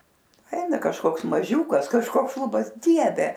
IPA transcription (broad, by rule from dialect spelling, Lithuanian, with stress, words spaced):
ˈɛɪnɐ kɐʃˈkoːks mɐˈʒʲuːkɐs kɐʃˈkoːks ˈʃlˠʊbɐs ˈdʲiɛʋʲɛ